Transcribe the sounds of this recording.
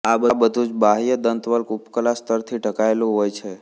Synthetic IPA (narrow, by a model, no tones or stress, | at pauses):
abəbəd̪ʱũd͡ʒbaɦijəd̪ənt̪ʋəlkupkəlast̪ʰəɾt̪ʰiʈəkaelũɦojt͡ʃʰe